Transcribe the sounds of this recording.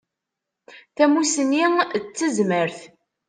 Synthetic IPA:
θæmusənːit͡sːəzməɾθ

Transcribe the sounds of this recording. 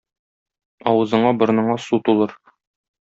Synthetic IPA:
ɒwɤ̆zɤ̆ɴɑbɤ̆ɾnɤ̆ɴɑsut̪ulˠɤɾ

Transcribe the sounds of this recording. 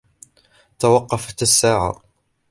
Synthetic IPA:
t̪awɑqːɑfat̪sːaːʕa̰

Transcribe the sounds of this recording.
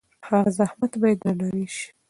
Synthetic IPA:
haɣazahmat̪bɑjed̪ɾalaɾiʃi̥

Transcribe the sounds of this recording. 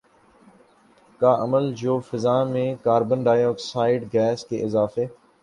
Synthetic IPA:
kaːʔəməld͡ʒoːfɪzaːmẽkaːɾbənɖaːjoːksaːɪɖɡɛːskḛːʔɪzaːfeː

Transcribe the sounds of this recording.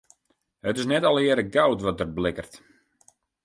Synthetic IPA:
hətɪsnɛtɔlˠɪəɾəɡawtʋɔt̚dərblɪkərt

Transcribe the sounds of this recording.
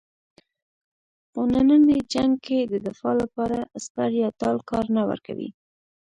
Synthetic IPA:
pənanəned͡ʒaŋɡ̚kʰed̪əd̪ɪfɑlapɑɾaspaɾjɑt̪ɑlkɑɾnawə̰ɾka̰wḭ

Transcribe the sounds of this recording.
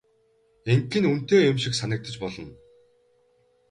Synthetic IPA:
eŋkːɘ̆nun̥t̪eːjʊmʃĭksanə̆k̚t̪ə̆t͡ɕpɔɮɞ̆n

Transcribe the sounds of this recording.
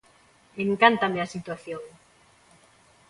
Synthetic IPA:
eŋkant̪ameasit̪waθjoŋ

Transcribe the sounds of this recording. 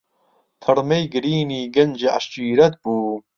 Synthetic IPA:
t̪ʰɨɾmejɡɨɾiːniːɡɐnd͡ʒiʔɐ̰ʃt͡ʃiːɾɐt̪̚buː

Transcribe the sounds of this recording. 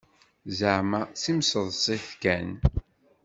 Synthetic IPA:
zəʕmasimsəðˤsˤiθkæn

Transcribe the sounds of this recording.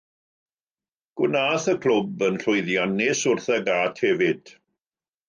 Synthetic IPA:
ɡ̥ɪnaːθəkʰl̥ʊbənɬʊjðjanɪsʊrθɛɡaːtʰhɛvɪd̥

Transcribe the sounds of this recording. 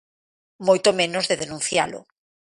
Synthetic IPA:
mojt̪omẽnozðeðenũn̟θjalʊ̰

